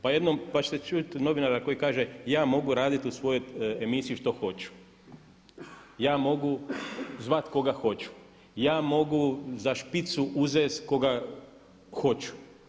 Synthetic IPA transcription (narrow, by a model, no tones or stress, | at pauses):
pajed̪nompat͡ʃe̥t̪et͡ʃut̪no̞ʋinaɾako̞jikaːʒejaːmo̞ɡuɾaːd̪it̪usʋo̞jo̞emisijiʃt̪o̞xo̞t͡ʃu̥ | jaːmo̞ɡuzʋat̪ko̞ɡaxo̞t͡ʃu̥ | jaːmo̞ɡuzaʃpit̪suʔuzesko̞ɡa | xo̞t͡ʃu̥